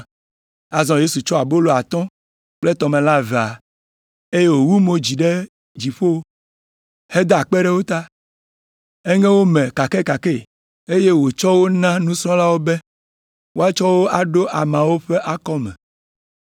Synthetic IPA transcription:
a˨zɔ̃˨je˦su˨t͡ʃɔ˦a˨bo˦lo˨a˨t̪ɔ̃˦ | k͡plɛ˦t̪ɔ˨mɛ̃˨la˦ve˨a˨ | e˦je˦wo˨wu˦mo˨d͡ʑi˨ɖe˦ | d͡ʑi˨ɸo˦ | he˦d̪a˦˨k͡pɛ˦ɖɛ˦wo˦t̪a˦ | e˦ŋɛ̃˦wo˦mɛ̃˨ka˨kɛ˦ka˨kɛ˦˨ | e˦je˦wo˨t͡ʃɔ˦wo˦nã˦nũ˦sɾɔ̃˦la˦wo˦bɛ˦ | wo˦a˦t͡ʃɔ˦wo˦ʔa˨ɖo˦ʔa˨mã˨wo˦ɸɛ˦ʔa˦kɔ˦mɛ̰̃˨

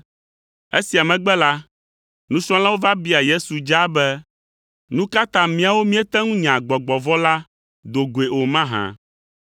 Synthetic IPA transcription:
e˦si˨a˨mɛ̃˨ɡ͡bɛ˦la˦ | nũ˦sɔ̃˦la˦wo˦va˦bi˦a˨je˦su˨d͡ʒa˦bɛ˦ | nũ˦ka˦t̪ã˨mĩ˦a˨wo˦mĩ˦ɛ˦t̪ɛ˦ŋũ˦ɲã˨ɡ͡bɔ˨ɡ͡bɔ˨vɔ˦la˦ | d̪o˨ɡo˨e˨o˨mã˦ɦã̰˨

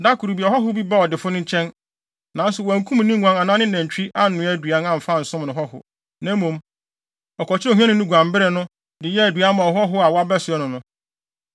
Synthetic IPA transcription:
da˦kʰu˨ɾu˨bi˨ɔ˨ɦɔ˦ɦʊ˦bi˦ba˦ɔ˨dɪ˨fʊ˦nʊ̃˦ɲ̩˦t͡ɕʰɛ̃˦n | nã˨n˦sʊ˨wɔ˨æ˨ŋ̩˦kʰũ˦m˨nĩ˦ŋʷ˨ã˨˦ã˨nã˦nɪ̃˦nã˨ɲ˨t͡ɕᶣʰi˦ʔa˦n̩˨nʊ̃˨æ˦˨dɥa˦nã˨m̩˨fa˦˨n̩˨sʊ̃˦mnʊ̃˨ɦɔ˦hʊ̰˨ | næ̃˦mũ˨m | ɔ˨kʰɔ˨t͡ɕʰɪ˦o˨hã˦nʊ̃˦nʊ̃˦ɡʷã˨m˨bɪ˦ɾɛ˨nʊ̃˦ | dɪ˨jɛ˦æ˨dɥa˨˦mã˨ɔ˨ɦɔ˦ɦʊ˦a˨wa˦bɛ˦sʊ˨ɛ˦nʊ̃˨nʊ̃˦

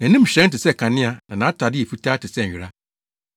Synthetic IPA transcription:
næ̃˨nĩ˦m̩˨ɕɛ̃˨˦n̩˦tɪ˨sɛ˦˨kʰã˨nɪ̃˦a˨nã˨nã˨˦tʰa˨dɪ˦ɛ˨fu˦tʰaː˦tʰɪ˨sɛ˦˨ɾa˦

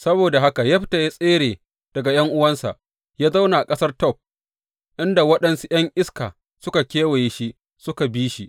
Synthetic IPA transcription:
sɐ˦boː˨da˨ɦa˦ka˨jɐ˦ɸta˨ja˦sʼeː˦ɾeː˨ | d̥ɐ˨ɡa˨j̰ɐ˦ŋʔʊ˦wɐ˦nsa̰˨ʔ | jaː˦za˦wna˨ʔa˨kʼɐ˦sɐ˦rtɔ˦˨p̚ | ʔɪ˦nda˨wɐ˦ɗɐ˨nsu˦j̰ɐ˦ŋʔɪ˦skaː˨ | sʊ˦ka˨kʲeː˦we˨je˦ʃi˦ | sʊ˦ka˨biː˦ʃi˦

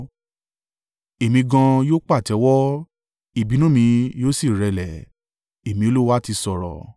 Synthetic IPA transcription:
e˨mĩ˧ɡã˧joː˦k͡pa˦˨tɛ˨˦wɔ˦ | i˦˨bi˨˦nũ˦mĩ˧joː˦si˦˨ɾɛ˨˧lɛ˨ | e˨mĩ˧˦o˦lo˦wa˦ti˧sɔ˨ɾɔ̰˨

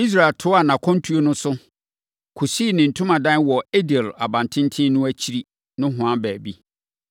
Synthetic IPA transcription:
i˦s̬ɾa˨ltʰʊ˦a˨nã˨kʰɔ̃˦n˦tʰu˦o˦nʊ̃˦sʊ˦ | kʰu˨siː˦˨nɪ̃˨n̩˨tʰʊ̃˦mã˨dã˦n˦wɔ˨e˦dɛ˨la˨bã˨ntʰɪ̃˦n˦tʰɪ̃˦nʊ̃˦æ˦t͡ɕʰi˦ɾi˦ | nʊ̃˦ɦʊ̃˨ã˦bæː˨bi˦

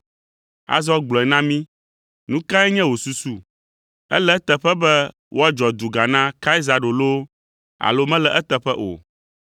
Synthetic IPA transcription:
a̰˦zɔ˦ɡ͡blɔ̃˨ɛ˨nã˦mĩ˦ | nũ˦ka˦ɛ˦ɲɛ̃˦wo˨su˨su˦ | ɛ̰˦lɛ˦t̪ɛ˨ɸɛ˦bɛ˦ | wʔo˦a˦d͡ʒɔ˨d̪u˨ɡa˨nã˦ka˦i˦za˨ɖo˨lo˦ | a̰˨lo˦mɛ̃˦lɛ˨ʔɛ˦t̪ɛ˨ɸɛ˦ʔo̰˨

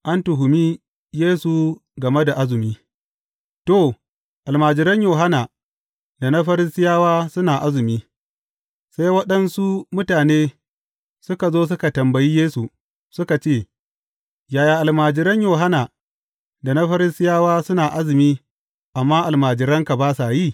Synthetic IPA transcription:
ʔa˦ntʊ˨ɦʊ˨miː˦ | jeː˦su˨ɡɐ˨me˦da˨ʔa˦zʊ˨miː˦ | to˦˨ | ʔa˨lmaː˨d͡ʒɪ˨ɾɐ˦ɲjoː˨ɦa˦na˨ | da˨na˦ɸɐ˦ɾɪ˦sɪ˦jaː˦waː˦sʊ˦naː˨ʔa˦zɪ˨miː˦ | sa˦jwɐ˦ɗɐ˦nsu˦mʊ˦taː˨neː˦ | sʊ˦ka˨zoː˦s̬ʊ˦ka˨tɐ˨mbɐ˨ji˦jeː˦su˨ | sʊ˦ka˨t͡ʃeː˦˨ | jaː˨jaː˨ʔa˨lmaː˨d͡ʒɪ˦ɾɐ˦ɲjoː˨ɦa˦naː˨ | da˨na˦ɸɐ˦ɾɪ˦sɪ˦jaː˦waː˦sʊ˦naː˨ʔa˦zɪ˨miː˦ | ʔa˨mːaː˦ʔa˨lmaː˨d͡ʒɪ˨ɾɐ˦ŋka˨baː˦sa˨jiː˦˨

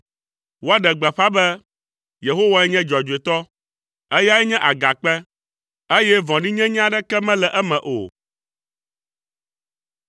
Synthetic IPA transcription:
wo˦a˦ɖɛ˨ɡ͡bɛ˨ɸa˦bɛ˦ | je˨ɦo˦wa˦jɛ˦ɲɛ̃˦d͡ʒɔ˨d͡ʒu˨e˨t̪ɔ˦ | ɛ˦ja˦jɛ˦ɲɛ̃˦ʔa˨ɡa˨k͡pɛ˦ | e˦jɛ˦vɔ̃˨ɖi˦ɲɛ̃˦ɲ˦ã˦ɖɛ˦kɛ˦mɛ̃˦lɛ˨ʔɛ˦mɛ̃˨ʔo̰˨

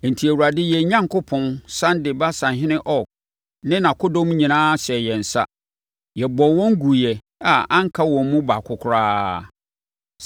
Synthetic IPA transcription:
n̩˨tʰi˨æ˨wu˨ɾa˨dɪ˦jɛ˨˦ɲã˦ŋkʰʊ˦pʰɔ̃˦nsã˦ndɪ˨ba˦sã˨ɦɪ̃˦nɪ̃˦ʔɔ˦˨ | nɪ̃˦nã˨kʰʊ˦dɔ̃˦m˦ɲĩ˨nãː˦ɕɛ˨jɛ˨n̩˨sa̰˦ | jɛ˨bɔ˨wɔ̃˦ŋ˦ɡu˨jɛ˨ | a˨ã˦ŋ˦kʰa˦wɔ̃˨m˦mũ˦ba˨kʰʊ˦kʰʊ˦ɾaː˦

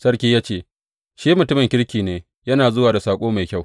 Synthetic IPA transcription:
sɐ˦ɽkʲiː˦jaː˦t͡ʃeː˦˨ | ʃiː˦mʊ˨tʊ˦mɪ˨ŋkʲɪ˦ɽkʲiː˨neː˦ | jɐ˦naː˨zʊ˦waː˨da˨saː˨kʷʼoː˦ma˨jkʲa˦˨w

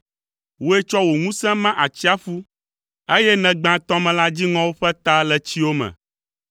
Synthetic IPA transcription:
wo˦e˦t͡ʃɔ˦wo˨ŋũ˦sɛ̃˦mã˦ʔa˨t͡ɕi˦a˦fu˦ | e˦jɛ˦nɛ̃˨ɡ͡bã˨t̪ɔ̃˦mɛ̃˨la˦d͡ʑi˦ŋɔ̃˦wo˦ɸɛ˦t̪a˦lɛ˨t͡ɕi˦wo˦mɛ̰̃˨

